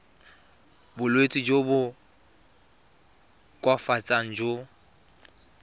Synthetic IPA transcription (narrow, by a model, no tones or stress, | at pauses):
bʊlwet͡sʼid͡ʒobʊ | kʼwafat͡sʼaŋ̩d͡ʒo